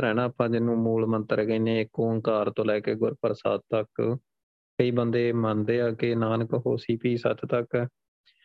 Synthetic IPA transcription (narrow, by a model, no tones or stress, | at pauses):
ɾɛːnãːəpʰãːd͡ʒɪnːũːmuːlmənt̪əɾɡəiːneːɪkːõːəŋkaːɾt̪õːlɛːkeːɡʊɾpəɾsa̰ːd̪̚t̪ək | kəiːbənd̪eːmənd̪eːaːkeːnaːnəkɦoːsiːpiːsə̰t͡ʃt̪ək